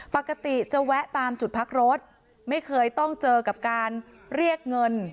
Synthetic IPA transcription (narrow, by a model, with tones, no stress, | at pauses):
pa˨˩kːa˧t̪i˨˩t͡ɕa˧wɛ˦˥ʔt̪aː˧mt͡ɕu˨˩t̪̚pʰa˦˥k̚ɾo˦˥t̪̚ | ma˥˩jkʰɤː˧jt̪ɔ˥˩ŋt͡ɕɤː˧ka˨˩p̚kaː˧n | ɾi˥˩ək̚ŋɤ˧n